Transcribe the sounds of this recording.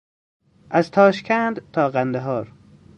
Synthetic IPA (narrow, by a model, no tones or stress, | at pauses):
ʔæzt̪ʰɒːʃkʰænd̪t̪ʰɒːɢænd̪eɦɒːɾ